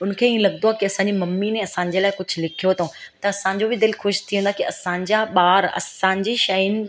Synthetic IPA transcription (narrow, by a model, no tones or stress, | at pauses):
ʊnkʰeːiẽlɐɡnd̪oaːkiɐsãːɲ̆d͡ʑimɐmːinẽɐsãːɲd͡ʑelaːɪkʊd͡ʑʱʊ̆lɪkʰijot̪ʰõː | t̪ɐɐsãːɲ̆d͡ʑobɪd̪ɪlxʊʃt̪ʰiɦũːnd̪akiɐsãːɲd͡ʑaɓaːɾɐ̰sãːɲd͡ʑiʃɐnɪ̆